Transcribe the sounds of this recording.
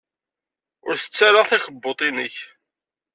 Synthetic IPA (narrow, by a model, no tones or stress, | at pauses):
ʊɾθə̥t͡sːaɾaθæçəbːot̪ˤinəç